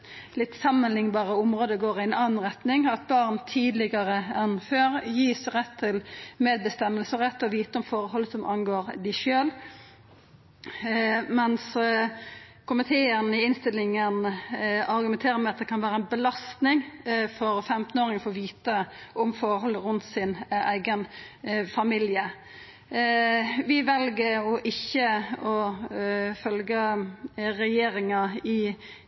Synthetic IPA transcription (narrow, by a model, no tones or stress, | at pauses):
lɪt̪ːsɑmːənlɪŋbɑːʁəʊmʁoːd̪əɡoːʁɪɛnɑːn̩ʁɛt̪nɪŋɑt̪̚bɑʁnt̪ʰiːd̪lɪɡəʁəɛnføːʁjiːsʁɛt̪ʰːɪlmeːd̪̚bəst̪ɛmːəlsəʁɛt̪ːɔʋiːt̪əʊmfɔɾəhɔlːəsɔmʔɑnɡoːɾd̪ɪʃøːl | mɛns | kʊmɪt̪ʰeːənəɪɪnst̪ɪlːɪŋənɑɾɡʉmɛnt̪ʰeːɾəmæɪɑt̪̚d̪ɛkʰɑnʋæːɾəænbəlɑst̪nɪŋfɔɾfɛmt̪n̩oːɾɪŋəfɔɔʋiːt̪əʔʊmfɔɾɦɔlːəɾʉnt̪sɪnæ̰ɪɡənfɑmɪljə | ʋɪʋɛlɡəɾɔʔɪçːəɔ | fœlɡə | ɾɛjeːɾɪŋɑɪ